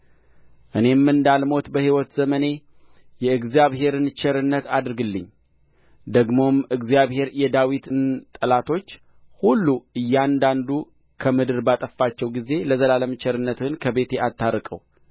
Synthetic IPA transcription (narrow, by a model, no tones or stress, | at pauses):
ʔɨne̞mːɨnd̪almo̞t̪bəhiwɔt̪z̥əməne̞ | jɛɨɡzijaβɦe̞ɾɨnt͡ʃɛɾɨnːət̪ad̪ɾɨɡɨlːɨɲː | d̪əɡmo̞mɨɡzjaβhe̞ɾjɛd̪awit̪ɨnt̪ʼəlat̪ʰo̞t͡ʃː | hulːuɨjːand̪and̪u | kʰəmɨd̪ɨɾbat̪ʼəfːat͡ʃːɛwɡize̞ləzəlaləmt͡ʃɛɾɨnːət̪ɨnkʰəbe̞t̪ʰeʔat̪ʰːaɾɨkʼə̰w